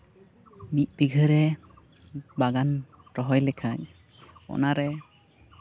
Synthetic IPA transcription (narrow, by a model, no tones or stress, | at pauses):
mit̪̚biɡʱɯɾɛ | baɡan | ɾɔɦɔjlɛkʰak̚ | ɔ̰naɾɛ